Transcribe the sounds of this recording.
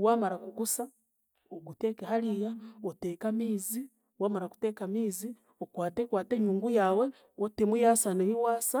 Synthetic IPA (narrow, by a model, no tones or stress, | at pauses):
waːmaɾakuɡusa | oɡutekehaɾijaoteːkamiːzi | waːmaɾaku̥tekamiːzi | okwaːtekwaːteɲuːŋɡujaːwe | otemujaːsaneβiwaːsa